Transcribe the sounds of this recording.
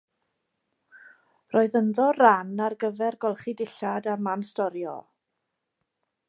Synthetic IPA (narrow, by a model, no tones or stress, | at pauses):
roːɨðəndɔranarɡəvɛrɡɔlˠχidɪɬadamanstɔɾjɔ̰